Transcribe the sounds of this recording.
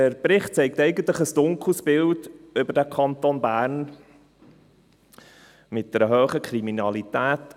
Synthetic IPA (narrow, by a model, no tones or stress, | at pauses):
əɾpɾɪχt̚t͡sɛɪk̚tɛɪɡən̩t̪ləχəsd̥ʊŋkl̩sbɪldʏbədækʰɑnt̪onbæːɾn | mɪt̚d̥̪ɛɾəɦøːχəkʰɾiminɑlit̪æːt